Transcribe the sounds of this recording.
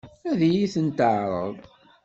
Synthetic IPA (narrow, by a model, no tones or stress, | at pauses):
æðjiθənt̪əʕɾˤə̰ðˤ